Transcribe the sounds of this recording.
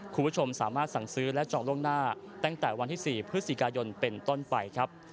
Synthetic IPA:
kʰu˧mbʰt͡ɕʰo˧msaː˩˦maː˥˩t̪̚sa˨˩ŋsɯː˦˥lɛ˦˥ʔt͡ɕɔː˨˩ŋlu˥˩ənaː˥˩ | t̪ɛː˥˩ŋt̪ɛː˨˩wa˧nt̪ʰiː˥˩siː˨˩pʰɾɯ˦˥si˨˩kaː˧jo˧npe˧nt̪o˥˩npa˧jkʰɾa˦˥p̚

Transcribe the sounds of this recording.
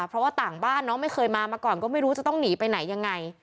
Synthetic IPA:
pʰɾɔ˦˥waː˥˩t̪aː˨˩ŋbaː˥˩nːɔː˦˥ma˥˩jxʰɤː˧jmaː˧maː˧kɔː˨˩nkɔː˥˩ma˥˩jɾu˦t͡ɕa˨˩t̪ɔ˥˩ŋniː˩˦pa˧jna˨˩˦jːa˧ŋːa˧j

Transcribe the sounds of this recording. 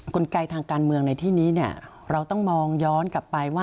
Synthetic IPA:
ko˧nka˧jt̪ʰaː˧ŋkaː˧nmɯ˧əŋna˧jt̪ʰiː˥˩niː˦˥ni˥˩ɐ | ɾa˧wt̪ɔ˥˩ŋmɔː˧ŋjɔː˦˥nka˨˩pːa˧jwaː˥˩

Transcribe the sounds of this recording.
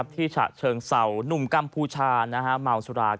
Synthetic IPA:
p̚t̪ʰiː˥˩t͡ɕʰa̰ː˨˩t͡ɕʰɤː˧ŋsa˨˩˦wnu˨˩mka˧mpʰuː˧t͡ɕʰaː˧na˦˥kʰa˦˥maː˧ŋsu˧˩ɾaː˧

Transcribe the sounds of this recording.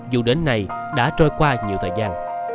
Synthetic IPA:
zu˨˩ɗe˨˦nːa˨˩j | ɗa̰ː˧˥t͡ɕɔ˧jkwaː˧ɲi˨t̪ʰəː˨˩zaː˧n

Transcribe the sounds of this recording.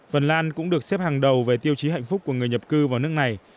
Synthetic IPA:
fə˨˩nlaː˧nkʊ̰˧˥ŋ͡mɗɨ˨˩ək̚sɛ˦˥p̚haː˨˩ŋɗə˨˩wve˨˩t̪i˧əwt͡ɕi˨˦ɦa̰˧˨jŋ̟fʊ˦˥k͡p̚kːu˧˩əŋɨ˨˩əjɲə˨˩p̚kɨ˧vaː˨˩wnɨ˦˥əkna˨˩j

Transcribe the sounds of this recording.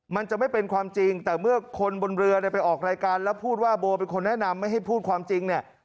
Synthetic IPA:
ma˧nt͡ɕa˨˩ʔma˥˩jpe˧nkʰwaː˧mt͡ɕi˧ŋt̪ɛː˨˩mɯ˥˩ɐkʰo˧nbo˧nɾɯ˧ɐɾa˥˩pa˧jʔɔː˨˩k̚ɾaː˧jkaː˧nlɛ˦˥wpʰuː˥˩t̪̚waː˥˩boː˧pe˧nkʰo˧nːɛ˦˥ʔna˧mːa˥˩jɦa˥˩jpʰuː˥˩t̪̚kʰwaː˧mt͡ɕi˧ŋni˥˩ɐ

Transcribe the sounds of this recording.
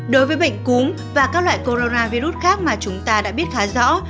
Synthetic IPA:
ɗo˨˦jvəː˨˦jɓə̰˧˨ŋ̟ku˨˦m | vaː˨˩kaː˦˥k̚lwa̰ː˧˨jko˧ɾo˧naː˧vi˧ɾu˦˥t̚xaː˦˥k̚maː˨˩t͡ɕʊ˨˦ŋ͡mt̪aː˧ɗa̰ː˧˥ɓi˦˥ət̚xaː˨˦zɔ̰˧˥

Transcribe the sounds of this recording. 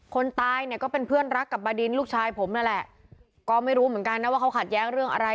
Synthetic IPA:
kʰo˧nt̪aː˧jni˨˩əkɔː˥˩pe˧npʰɯ˥˩ənɾa˦˥kːa˨˩p̚baː˧di˧nluː˥˩k̚t͡ɕʰaː˧jpʰo˩˦mna˧˥˩lɛ˨˩ʔ | kɔː˥˩ma˥˩jɾuː˦˥mɯ˩˦ə˦nka˧nːa˦˥waː˥˩a˦˥wkʰa˨˩t̪̚jɛː˦˥ŋɾɯ˥˩əŋʔa̰˧ɾa˧

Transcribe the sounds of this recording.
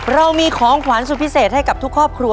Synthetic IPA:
ɾa˧wmiː˧kʰɔː˩˦ŋkʰwa˩˦ns̬u˨˩pʰi˦˥seː˨˩t̪̚ha˥˩jka˨˩t̪ʰu˦˥kʰɾɔː˥˩p̚kʰɾu˧

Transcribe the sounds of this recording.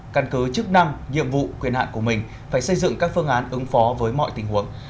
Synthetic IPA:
ka˧˩nkɨ˨˦t͡ɕɨ˦˥k̚na˧ŋɲḭ˧˨əmvṵ˧˨kwi˧˩ənha̰ː˧˨nku˧˩əmï˨˩ŋ̟ | faː˧˩jsə˧jzɨ̰˧˨ŋkaː˦˥k̚fɨ˧əŋʔaː˨˦nʔɨ˨˦ŋfɔ˨˦vəː˨˦jmɔ̰˧˨jt̪ï˨˩ŋɦu˨˦əŋ

